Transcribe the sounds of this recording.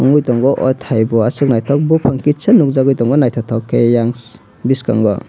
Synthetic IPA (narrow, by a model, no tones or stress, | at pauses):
ɔŋujtɔŋɡɔʔɔtʰhajbɔasɯk̚najtʰɔk̚bupʰaŋkit͡ʃanuk̚zaɡujtɔŋɡɔnajtʰatʰawkʰejaŋs | biska̰ŋɡɔ̰